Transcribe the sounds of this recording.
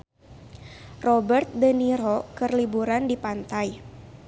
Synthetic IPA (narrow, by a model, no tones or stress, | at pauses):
rɔbərt̪̚dəniɾɔkɨrlibuɾandipant̪aj